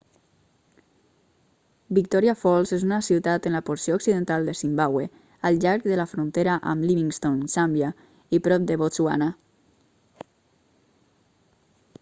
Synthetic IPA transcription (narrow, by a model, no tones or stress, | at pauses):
bik̚t̪ɔɾiafɔlˠzezunasiwt̪at̪ənlapoɾsioːksiðənt̪alˠd̪əsimbawe | əlˠʎaɾkðəlafɾunt̪eɾaʔə̰mliβiŋst̪onsambja | ipɾɔp̚d̪əβot͡sua̰na